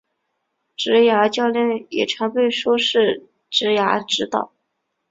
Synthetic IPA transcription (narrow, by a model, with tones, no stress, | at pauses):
ʈ͡ʂɻ̩˧˥ja˧˥t͡ɕjɑ˥˧ʊljə˥˩njɛ̰˨˩ʈ͡ʂʰɑ˧˥ŋpe˥˩ɪʂwɔ˥ʂɻ̩˥˩ | ʈ͡ʂɻ̩˧˥ja˧˥ʈ͡ʂɻ̩˧˥t̪ɑ̰˥˩˦